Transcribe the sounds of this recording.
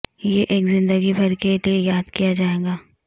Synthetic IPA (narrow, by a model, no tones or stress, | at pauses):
jeʔeːkzɪ̃nd̪əɡibʱɐɾkeliejaːd̪kijad͡ʒaːeːɡaː